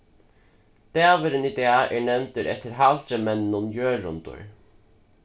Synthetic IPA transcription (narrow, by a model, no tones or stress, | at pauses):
d̪̥ɛːvɪɾɪnid̪eːaʔɛɹnɛwnt̪ɪɾʔɛ̰t̪ːɪɾɦalt͡ʃəmɛnnʊnjøːɾʊ̰nt̪ʊ̰ɹ